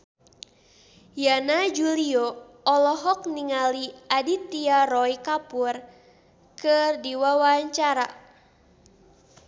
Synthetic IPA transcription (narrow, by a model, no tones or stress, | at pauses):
janad͡ʒuliɔ | ɔlɔɦɔk̚niŋaliadit̪iaɾɔikapur | kɨrdiwawaɲt͡ʃaɾa̰